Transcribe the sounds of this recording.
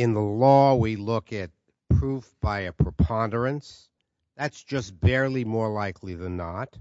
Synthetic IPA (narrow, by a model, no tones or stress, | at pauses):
ɨ̃nðəlɔwilʊkɨt̚ | pʰɹ̥ufb̥aɪɨpʰɹ̥əpʰɑ̃ndə˞ɨ̃ns | ðætsd̥ʒ̥ʌst̚b̥ɛɹlˠimɔɹlaɪkʰliðɨ̃nːət̚